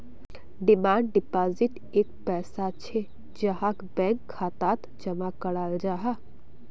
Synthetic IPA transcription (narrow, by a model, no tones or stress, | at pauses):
ɖɪmãːɳɖɖɪpaːzɪʈ | eːk̚pɛːsat͡ʃʰe | d͡ʒəɦakbɛ̃ːŋkʰːaːt̪aːt̪d͡ʒəmakəɽaːld͡ʒaːɦa